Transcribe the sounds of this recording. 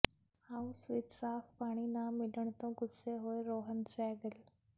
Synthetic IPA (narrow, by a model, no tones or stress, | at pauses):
haːũsʊɪt̪saːfpaːɽ̃inaːmɪləɽ̃t̪õɡʊseɦoːeɾoːɦənsɛːɡəl